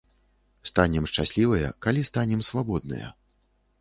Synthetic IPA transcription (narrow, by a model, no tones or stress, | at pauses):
st̪anʲɛmʂt͡ʂasʲlʲivɐjɐ̰kalʲist̪anʲɛmsvabɔd̪̚nɨ̰jɐ̰